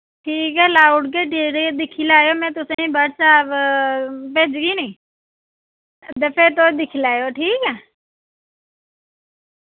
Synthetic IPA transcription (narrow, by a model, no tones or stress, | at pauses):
ʈʰiːkɦɛːlaːʊɖkeːʈeːɾed̪ɪkʰilaːjomɛ̃ːt̪̬ʊsẽĩːbəɽʰsaːb | peːd͡ʒɡiːnĩː | t̪eːpʰeɾt̪̬od̪ɪkʰlaːjoːʈʰiːkɛː